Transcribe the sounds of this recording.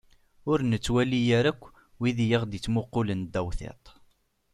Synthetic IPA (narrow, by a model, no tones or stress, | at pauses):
ʊɾnət͡sːwælijaɾækʷː | wiðijiʁd̪it͡sːmʊqːʊlənd̪æwθḛt̪ˤ